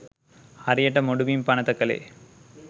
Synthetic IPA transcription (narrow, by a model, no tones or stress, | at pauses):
ɐɾɪjɐʈːɐmɔɽʊʋimpanɐt̪ɐkːɐlḛː